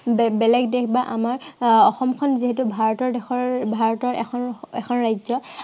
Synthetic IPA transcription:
bbɛlɛɡdɛkʰbaʔamaɹɔxɔmkʰɔnziɦɛtubʱaɹɔtɔɹdɛxʰɔɹbʱaɹɔtɔɹɛ̰xʰɔnɛkʰɔnɹajzɔ

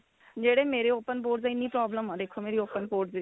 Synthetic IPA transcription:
d͡ʒeːɽeːmeːɾeːoːpənpoːʈzɪnːĩːpɾɔːbləmãːd̪eːkʰoːmeːɾiːoːpənpoːɾʈz

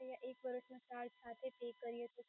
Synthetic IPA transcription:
jãʔeːk̚bəɾəsmẽsʈaːɾsaːt̪ʰepeːkːəɾiet̪o

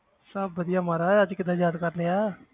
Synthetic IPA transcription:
sɐbːəd̪ijamaɾaad͡ʒkɪd̪ajaːd̪kəɾlea

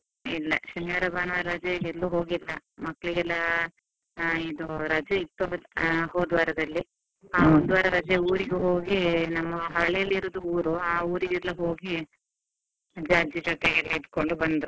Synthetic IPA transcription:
ilːɐ̰ʃunjaːɾɐbaːnɐʋɐɾɐd͡ʒɐɡelːuːɦo̞ːɡilːɐmɐkːɐɭiɡɛlːɐ | iːd̪uɾɐd͡ʒɐit̪ːuhoːd̪ʋaːɾɐd̪ɐlːi | aːond̪uʋaːɾɐɾɐd͡ʒeuːɾiɡeɦo̞ːɡinɐmːɐɦɐɭɛjɐlːiɾod̪uuːɾuaːuːɾiɡilːɐɦo̞ːɡi | d͡ʒaːd͡ʒid͡ʒɐʈːeɡɐlɐid̪ko̞ɳɖubɐnd̪ɾu

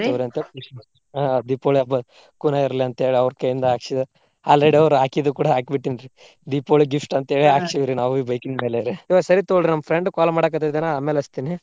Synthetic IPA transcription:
t̪uɾiɐnt̪epuʂ | ad̪ipoːɭɐbɐ | kunaiɾɐliɐnt̪ɦeːɭiɐʋɾkɐjind̪ɐaːkʂid̪ɐ | aːlɾeɽiɐʋɾuaːkid̪ukuːɽaɦaːkbiʈːinɾi | d̪iːpoːɭiɡifʈɐnt̪eːɭiaːkt͡ʃiʋiɾinaːʋibɐjkind̪meːleɾiiʋasɐɾit̪oɭɖɾnɐmːɐpʰɾeɳɖkaːlɐmaːɽɐk̬ɐt̪ɐd̪enaaːmelɐst̪ini

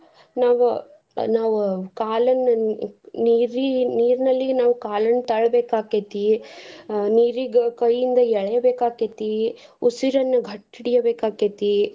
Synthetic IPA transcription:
naːʋu | naːʋukaːlɐn | niːɾiniːɾnɐlːinaːʋukaːlɐnt̪ɐɭɐbeːkaːket̪i | niːɾiɡɐkɐjːind̪ɐɛɭɐjɐbeːkaːket̪i | usiɾɐnːɐɡʱɐʈːiɽijɐbeːkaːket̪i

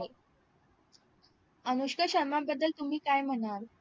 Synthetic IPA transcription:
ənuɕkəɕəmambəd̪ːəlt̪um̤iːkajm̤ənaɾ

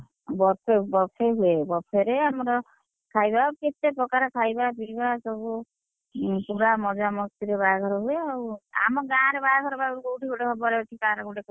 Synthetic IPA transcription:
bɔpʰebɔpʰeɦuebɔpʰeɾeamɔɾɔ | kʰajbaket̪epɔkaɾɔkʰajbapiɾibasɔbu | puɾamɔd͡ʒamɔkt̪iɾebajakʰɔɾɔɦueaua̰mɔɡaːɾebajakʰɔɾɔbaɾukowʈʰikoʈekʰɔbɔɾeoʈʰikaɾɔkuʈe

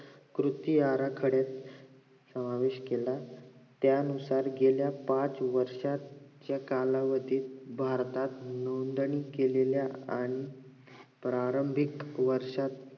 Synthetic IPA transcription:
kɾut̪iaɾakʰəɽet̪ | səmaʋeɕkelat̪jaənusaɾɡeljapat͡sʋəɾʂat̪t͡ɕjakalaʋəd̪ʱiːt̪bʱaɾt̪at̪nond̪ɳikeleljaaɽ̃i | pɾaɾəmbʱikʋəɾʂat̪

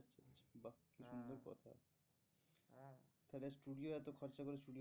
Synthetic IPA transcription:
tːt͡ɕʰat͡ɕʰbakiʃund̪oɾkɔ̰t̪ʰa̰ | fʰɛlesʈuɖioɛt̪okʰɔɾt͡ɕakoɾesʈuɖio

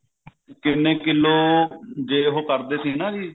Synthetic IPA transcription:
kɪnːẽːkɪlːoːd͡ʒeːɦoːkəɾd̪eːsiːnãːd͡ʒiː

